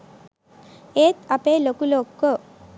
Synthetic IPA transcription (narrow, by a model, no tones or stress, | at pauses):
eːt̪ɐpeːlokuloːkːo